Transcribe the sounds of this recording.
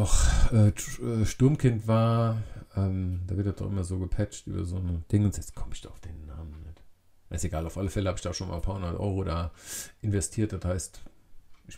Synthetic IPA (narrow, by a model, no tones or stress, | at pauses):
dɔχʔɛːʔɛːʃtʊɐmkʰɪntv̥aːɐʔɛːmd̥aːvɪɐt̚d̥atd̥ɔ̰χʔɪ̰mɐzoːɡəpʰɛt͡ʃtʔy̰ːbɐ̰zoːnəd̥ɪŋəʊnzjɛt͡skʰɔməɪçd̥ɔaʊfd̥eːnːaːmən̩nɛt | aseɡaːlaʊfʔaləfɛləhaːbɪçd̥aːʃoːnma̰ːlnpʰaːɐhʊndɐtʔɔ̰ʏʁodaːʔɪnvɛstʰiːɐt̚d̥athaɪstʔɪç